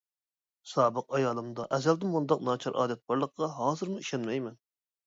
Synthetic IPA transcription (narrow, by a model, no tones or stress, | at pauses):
sɑːbəqɑjɑːlˠɨmd̪ɑʔɛzɛld̪ɪmːund̪ɑq̚nɑːt͡ʃʰɑɾʔɑ̰ːd̪ɛt̪̚bɑɾlˠəqqɑɦɑːzɨɾmuiʃɛnmɛjmɛn